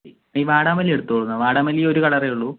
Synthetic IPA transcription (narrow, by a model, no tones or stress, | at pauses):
i | iːʋaːɽaːmɐlieɽut̪ːupoɭunːɐʋaːɽaːmɐlijo̞ɾukɐɽɐrɐjuɭːu